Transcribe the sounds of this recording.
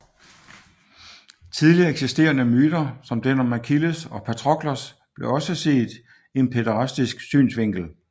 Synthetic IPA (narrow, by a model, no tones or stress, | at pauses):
t͡sʰiðˠliɐeɡ̥sisd̥e̝̰ːɐnəmyːd̥ɐsɒ̽md̥enɒmækʰiləsɒ̽pʰæt͡sʰʁɒ̽ɡ̥lɐs | b̥le̝ɒ̽səse̝̰ːd̥ | e̝npʰe̝dɐʁɑsd̥isɡ̥sy̰ːnsʋe̝ŋ̰ɡ̥l̩